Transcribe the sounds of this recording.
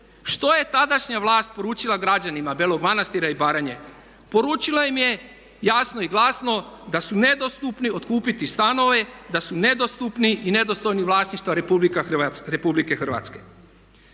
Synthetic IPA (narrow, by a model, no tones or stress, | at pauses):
ʃt̪o̞je̞t̪ad̪aʃɲaʋlˠaːst̪̚po̞ɾuːt͡ʃilˠaɡɾad͡ʑanimabelˠoɡmanast̪iɾaibaːɾaɲe | po̞ɾuːt͡ʃilaimje̞ | jasnoiɡlˠaːsno̞d̪asune̞d̪ost̪upnio̞t̪kuːpit̪ist̪ano̞ʋe̞d̪asune̞d̪ost̪upniʔine̞d̪o̞st̪o̞jniʋlˠaːsniʃt̪ʋaɾpublikaaɾepublike̞xr̩ʋa̰t̪ske̞